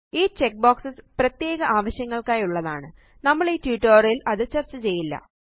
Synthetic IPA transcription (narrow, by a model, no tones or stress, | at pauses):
iːt͡ɕek̚boːksɨsprɐt̪je̞ːɣɐʔaːʋɐɕjɐŋːɐɭkaːjuɭːɐðaːɳɨ | nɐmːɐɭiːtuʈːɐːrilɐðɨt͡ɕɐrt͡ɕːɨt͡ɕe̞jːilːɐ̰